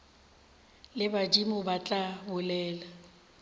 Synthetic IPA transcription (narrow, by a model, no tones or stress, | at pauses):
lɪbad͡ʒimʊbat͡ɬʼabʊlɛːla